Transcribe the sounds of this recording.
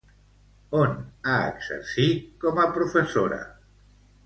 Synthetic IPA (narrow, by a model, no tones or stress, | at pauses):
onaə̰ɡz̥ə̰ɾsikɔməpɾufəsoɾə̰